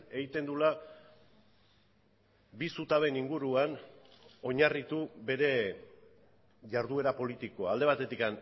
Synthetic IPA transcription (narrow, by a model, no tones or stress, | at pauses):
e̞ɣit̪e̞nd̪ula | bisut̪aβe̞niŋɡuɾuan | o̞ɲarit̪ube̞ɾe̞ | ʝaɾðue̞ɾapo̞lit̪iko̞ald̪e̞βat̪e̞t̪ikan